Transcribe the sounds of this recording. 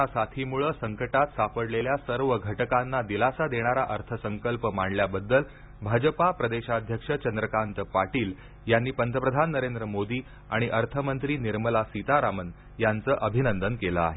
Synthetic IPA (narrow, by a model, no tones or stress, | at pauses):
asat̪ʰimuɭəːsəŋkəʈat̪sapəɽleljasəɾʋəɡʱəʈəkanːad̪ilasad̪eɽ̃aɾaʔəɾt̪ʰəsəŋkəlpəmaɳljabəd̪ːəl | bʱad͡ʑəpapɾəd̪eɕad̪ʱjəkʂət͡ɕənd̪ɾəkant̪paʈiːl | janːiːpənt̪əpɾəd̪ʱanːəɾend̪ɾəmod̪iː | a̰ɽ̃iʔəɾt̪ʰəmənt̪ɾiːniɾməlasit̪aɾamən | jant͡səːʔəbʱinənd̪ənkeləa̰ɦe